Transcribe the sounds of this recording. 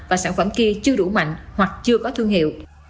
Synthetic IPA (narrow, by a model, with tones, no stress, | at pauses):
vaː˨˩saː˧˩˨nfə˧˩mki˧t͡ɕɨ˧əɗu˧˩ma̰˧˨jŋ̟hwa˨˩k̚t͡ɕɨ˧əkɔ˨˦t̪ʰwɨ˧əŋhḭ˧˨əw